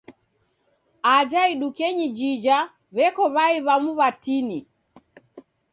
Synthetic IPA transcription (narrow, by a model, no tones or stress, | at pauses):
ad͡ʒaiɗukɛɲid͡ʒid͡ʒa | βɛkɔβaiβamuβatini